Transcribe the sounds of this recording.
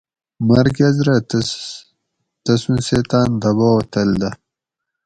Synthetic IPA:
mɐɾkɐzɾɐ | t̪ɐsũnset̪aːnd̪ɐβot̪ɐld̪ɐ

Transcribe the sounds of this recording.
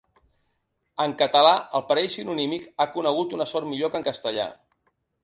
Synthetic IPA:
əŋkət̪əlaəlˠpəɾɛjsinunimikakunəɣ̞ut̪unəsɔɾmiʎokəŋkəst̪əʎa̰

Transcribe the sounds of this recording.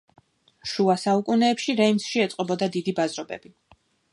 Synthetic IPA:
ʃuasaukʼunɛːpʃiɾɛimsʃiɛt̪sʼqʼɔbɔd̪ad̪id̪ibazɾɔbɛ̰bi

